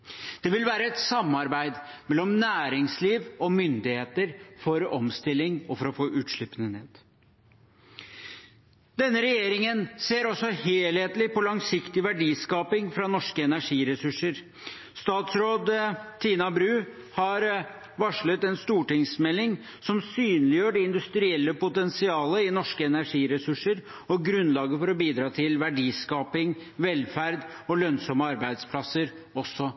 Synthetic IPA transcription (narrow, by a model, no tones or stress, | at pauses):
d̪̥ɛʋɪlʋæːɾəɛt̪sɑmːɑɾbæɪd̪mɛlɔmnæːɾɪŋsliːʋɔmʏnd̪ɪheːt̪əɾfɔɾɔmst̪ɪlːɪŋɔfɔɾɔfoːʔʉːt̪ʂɭɪpənəneːd̪̥ | d̪ɛnːəɾɛjeːɾɪŋənseːɾɔsːɔheːlheːt̪lɪpɔlɑŋsɪkt̪ɪʋæɖiːskɑːpɪŋfɾɑnɔʂkəɛnæʂiːɾɛsʉʂəɾ | st̪ɑːt̪sɾoːd̪t̪ʰiːnɑbɾʉː | hɑɾ | ʋɑʂɭət̪ɛnst̪uːʈɪŋsmɛlːɪŋ | sɔmsyːnlɪjøːɖɛɪnd̪ʉst̪ɾɪɛlːəpʊt̪ɛnsɪɑːləɪnɔʂkəɛnæɾʂiːɾɛsʉʂəɾ | ɔɡɾʉnlɑːɡəfɔɾɔbiːd̪ɾɑːt̪ʰɪlʋæɖiːskɑːpɪŋʋɛlfæɾd̪ | ɔlœnsɔməɑɾbæɪd̪spʰlɑsːəɾ | ɔsːɔ